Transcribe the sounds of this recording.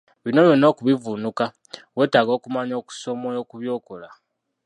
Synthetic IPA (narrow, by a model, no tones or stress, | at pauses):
βino̞lweno̞ːkuβivunuka | we̞ːtaɡo̞ːkumaɲo̞ːku̥so̞mojokuβjo̞ːkola